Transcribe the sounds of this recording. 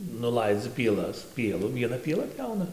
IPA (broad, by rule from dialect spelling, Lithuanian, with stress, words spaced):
nʊˈlˠɐɪd͡zʲɪ pʲiɛˈlˠɐs ˈpʲiɛlˠʊ ʋʲiɛˈnɐ pʲiɛˈlˠɐ ˈpʲjɛʊnɐ